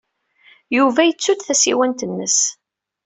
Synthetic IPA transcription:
juvæjət͡sːud̪θæsḭwænt̪ənːəs

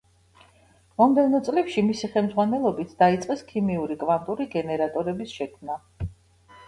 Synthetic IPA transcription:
mɔmd̪ɛnɔt̪sʼlɛpʃimisiχɛlmd̪zʁwanɛlˠɔbit̪ʰd̪̥ait̪sʼqʼɛskʰimiuɾikʼvant̪ʼuɾiɡɛnɛɾat̪ʼɔɾɛbisʃɛkʰmna

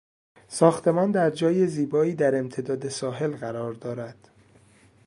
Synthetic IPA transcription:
sɒːxt̪ʰe̞mɒːnd̪æɾd͡ʒɒːjeziːbɒːiːd̪æɾe̞mt̪ʰe̞d̪ɒːd̪e̞sɒːɦe̞lɣæɾɒːɾd̪ɒːɾæd̪̥

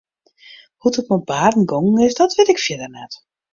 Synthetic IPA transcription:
hutətməbaːrdn̩ɡoŋŋ̩ɪsdɔtʋɪtɪkfjɛdərnɛt

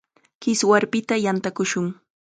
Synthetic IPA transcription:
kɪswaɾpɪt̪ajant̪akʊʃʊŋ

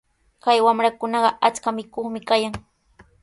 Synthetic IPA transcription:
kajwamɾakʊnɑɢɑat͡skamɪkoχmɪkajaŋ

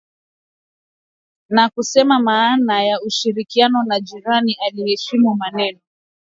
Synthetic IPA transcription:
nakusɛmamaːnajauʃiɾikianɔnad͡ʒiɾanialihɛʃimumanɛnɔ

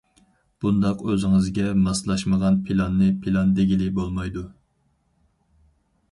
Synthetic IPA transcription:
b̥und̪ɑqøzɪŋɨzɡʲɛmɑslˠɑʃməʁɑnpʰilˠɑnːɨpʰilˠɑnd̪eɡʲilɪbolˠmɑjd̪u

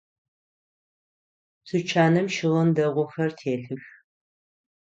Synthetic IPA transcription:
tʰɨt͡ʃʰaːnɨmʃɪʁɐndɐʁʷɔxɐrtʰeːɬɨx

